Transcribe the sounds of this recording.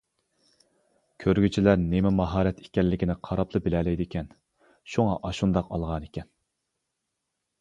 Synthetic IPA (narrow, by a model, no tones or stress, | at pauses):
kʲʰøɾɡʲyt͡ʃʰilæɾnemɪmɑɦɑːɾɛt̪ʰe̥kʲɛnlɪkʲinɪqʰɑɾɑpʰlˠɨbɪlɛlɛjd̪ɪkʲɛn | ʃuŋɑʔɑʃund̪ɑqɑ̰lˠʁɑnekʲɛn